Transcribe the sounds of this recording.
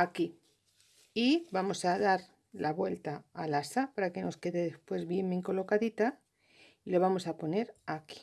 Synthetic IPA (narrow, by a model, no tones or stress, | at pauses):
aki | ibamo̞saðaɾ | laβwe̞lt̪aːlasapaɾake̞no̞ske̞ðe̞ðespwe̞zβjembeŋko̞lo̞kaðit̪a | iloβ̞amo̞sapo̞ne̞ɾaki̥